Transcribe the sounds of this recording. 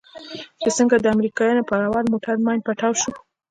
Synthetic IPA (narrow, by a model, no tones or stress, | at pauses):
t͡ʃesəŋɡad̪əamɾikɑjɑnopaɾawɑlmoʈaɾmɑjnd̪̚paʈɑwʃu